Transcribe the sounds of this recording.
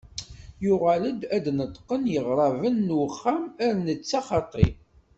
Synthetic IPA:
jʊʁaləd̪æd̪nət̪ːˤqənjəʁɾˤɑvənːχːæmæɾnət͡sːɑχɑt̪ˤḭ

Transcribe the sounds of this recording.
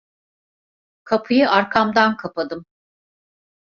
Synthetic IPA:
kʰapʰɯjɯʔaɾkʰamd̪ankʰapʰad̪ɯm

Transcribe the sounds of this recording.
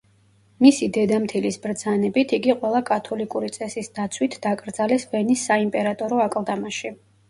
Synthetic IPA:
misid̪ɛd̪amt̪ʰilisbɾd̪z̥anɛbit̪ʰiɡiqʼwɛlˠakʼat̪ʰɔlikʼuɾit̪sʼɛsisd̪at̪sʰwit̪ʰd̪akʼɾd̪zalɛsvɛnisːaimpʼɛɾat̪ʼɔɾɔakʼlˠd̪amaʃi

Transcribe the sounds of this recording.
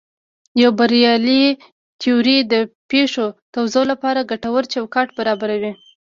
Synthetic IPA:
jawbaɾjɑli | t̪ioɾid̪əpeʂot̪awzalapɑɾaɡaʈawəɾt͡ʃawkɑʈbaɾɑbaɾawi

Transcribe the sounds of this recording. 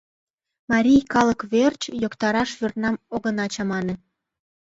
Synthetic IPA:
mɑɾʲijkɑləkβert͡ɕjokt̪ɑɾɑʃvyrt̪nɑmoɣə̆nɑt͡ɕɑmɑnĕn

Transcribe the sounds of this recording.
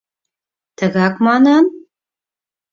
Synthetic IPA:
tʰɐɣaːkʷʼmaːnan

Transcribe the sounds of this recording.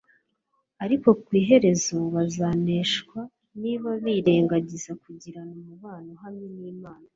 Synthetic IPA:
aɾiko̞kwiːɦe̞ɾe̞zo̞βazaːne̞ːʃkwa | niβaβiːɾe̞ːŋɡaɟizakuɟiɾanamuβaːnoɦamɲiniːmaːna

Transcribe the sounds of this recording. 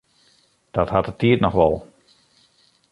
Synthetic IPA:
d̥ɔthatətʰiətnɔxʋɔlˠ

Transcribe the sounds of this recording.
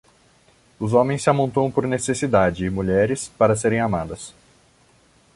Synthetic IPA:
ʊzõmẽj̃sːɪamõnt̪õw̃poɾnesesid̪ad͡ʒɪːmuʎɛɾɪspaɾɐseɾẽj̃amad̪ɐs

